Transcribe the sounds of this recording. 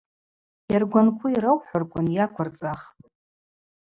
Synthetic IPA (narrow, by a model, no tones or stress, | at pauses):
jarɡʷankʷʰʊiɾawħʷʊrkʷʼʊnjakʷʰart͡sʼaχʼ